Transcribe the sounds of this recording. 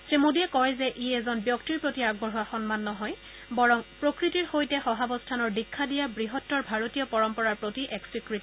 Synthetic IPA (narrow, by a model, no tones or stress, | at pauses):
sɹemodiɛkɔɹzɛʔijɛzɔnbjɔktiɹpɹotiaɡ̚bɔɦɔwaxɔnmanːɔɦɔj | bɔɹɔŋpɹokɹitiɹxojtɛxɔɦabɔstʰanɔɹdikʰːadijabɹiɦɔtːɔɹbʱaɹotijɔpɔɹɔmpɔɹaɹpɹotiʔɛksikɹit